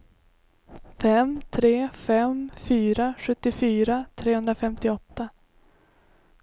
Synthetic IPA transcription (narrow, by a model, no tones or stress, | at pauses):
fɛmt̪ʰɾeːfɛmfyːɾaɧɵt̪ːɪfyːɾat̪ʰɾeːhɵnd̪ɾafɛmt̪ɪɔt̪ːa